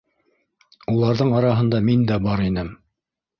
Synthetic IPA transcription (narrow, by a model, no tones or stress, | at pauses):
ulˠɑɾðɤɴɑɾɑɦɤ̆nd̪ɑmind̪æbɑɾinɘm